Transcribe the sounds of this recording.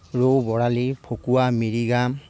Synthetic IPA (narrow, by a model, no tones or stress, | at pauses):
ɹowbɔɹalipʰokuamiɹiɡam